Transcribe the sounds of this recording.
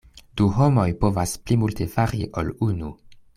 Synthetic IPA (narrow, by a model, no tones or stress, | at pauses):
d̥uɦo̞mo̞jpo̞vasplimulte̞faɾiʔo̞̰lunu